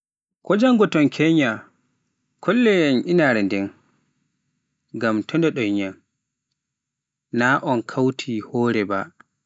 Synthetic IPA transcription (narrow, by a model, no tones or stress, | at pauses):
kʰɔd͡ʒaŋɡɔtɔnkʰɛɲa | kʰɔlːɛjanʔinaɾɛndɛn | ɡamtʰɔndɛɗɔjɲan | naʔɔnkʰawtʰihɔːɾɛba̰